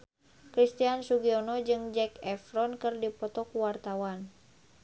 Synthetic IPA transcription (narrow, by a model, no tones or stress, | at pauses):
kɾist̪iansuɡiɔnɔd͡ʒɨŋd͡ʒɛkɛfɾɔnkɨrdipɔt̪ɔkuwart̪awan